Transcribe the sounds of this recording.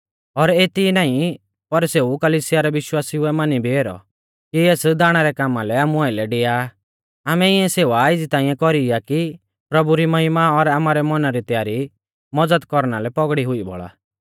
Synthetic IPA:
ɔɾeːt̪inaːĩ | pɐɾseːukɐliːsɪjaɾɛʋɪʃwaːsiʊɛmanibʱieːɾɔ̰ | kieːsd̪aːɽ̃aɾɛkaːmalɛaːmuaːɪlɛɖeːja | aːmɛɪɛ̃seːʋaɪd͡zit̪ãːĩjɛ̃kɔɾijaki | pɾɐbuɾimɐɦɪmaɔɾaːmaɾɛmɔnaɾit̪jaːɾi | mɔd͡zəd̪kɔɾnalɛpɔɡɽiɦʊibʱɔ̰ɭa̰ː

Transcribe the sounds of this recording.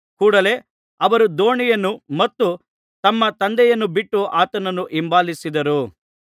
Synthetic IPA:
kuːɽɐle̞ | ɐʋɐɾud̪o̞ːɳijɐnːumɐt̪ːu | t̪ɐmːɐt̪ɐnd̪ɛjɐnːubiʈːuʔaːt̪ɐnɐnːuʔimbaːlisid̪ɐɾu

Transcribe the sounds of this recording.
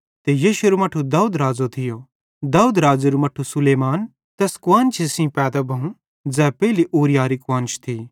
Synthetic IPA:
t̪ejiːʃueɾomɐʈʰːud̪aːuːd̪ɾaːd͡zot̪ʰɪjo | d̪aːuːd̪ɾaːd͡zeɾumɐʈʰːusʊleːmaːn | t̪ɛːskʊaːnt͡ʃʰisĩpɛːd̪abʱɐũ | d͡zɛːpɛɦiliʔoːɾijaːɾikʊwãːnt͡ʃʰt̪ʰiː

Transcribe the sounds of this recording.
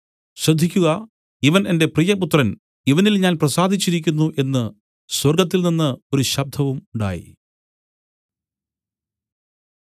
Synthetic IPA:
ɕrɐd̪ʱːikʲːuɣɐ | iʋɐne̞nde̞prijɐput̪rɐn | iʋɐnilɲaːnprɐsaːd̪ʱit͡ɕːiɾikʲːunːuʔe̞nːɨ | swɐrɡɐt̪̬ːilninːɨo̞ɾuɕɐb̚d̪ʱɐʋumuɳɖa̰ːjḭ

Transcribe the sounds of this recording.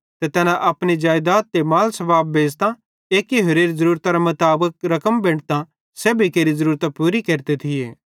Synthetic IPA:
t̪et̪ɛːnãʔɐpñid͡ʒaːjd̪aːt̪ːemaːlsɐbaːbːeːd͡ʒt̪ã | eːkːiɦʊɾeːɾzɐɾuːɾt̪aɾamɐt̪aːbək̚ɾɐkəmbẽːɽt̪ã | sɛːbʱikeːɾizɐɾuːɾt̪apuːɾikeːɾt̪et̪ʰɪjḛː

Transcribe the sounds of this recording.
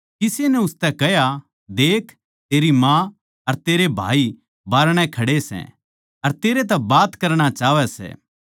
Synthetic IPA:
kɪsenɛ̃ʊst̪ɛkɛja | d̪eːkʰ | t̪eːɾimã | ɐɾt̪eːɾebʱa̰ːi | baːɾɽ̃ɛ̃kʰɐɽesɛ̰̃ | ɐɾt̪eːɾet̪̬ɛbaːt̪kɐɾɽ̃at͡ʃaːʋɛsɛ̰ː

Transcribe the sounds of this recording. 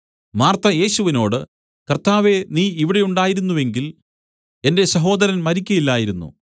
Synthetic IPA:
maːrt̪ɐje̞ːɕuʋino̞ːɽɨ | kɐrt̪aːʋe̞niːiʋiɽe̞juɳɖaːjiɾunːuʋe̞ŋɡil | e̞nde̞ɕɐɦo̞ːd̪ɐɾɐnmɐɾikʲːɐjilːaːjiɾunːṵ

